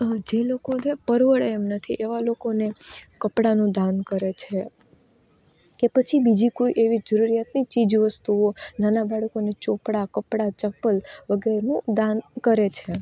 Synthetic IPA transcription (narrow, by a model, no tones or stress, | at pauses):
d͡ʒelokonepəɾʋəɭeemnət̪ʰiʔeʋalokonekəpɽanũd̪ankəɾet͡ʃʰe | kepət͡ʃʰibid͡ʒikoiʔeʋid͡ʒəɾuɾijat̪nit͡ʃid͡ʒʋəst̪uonanabaɽkonet͡ʃopɽakəpɽat͡ʃəpəlʋəɡeɾnũd̪ankəɾet͡ʃʰe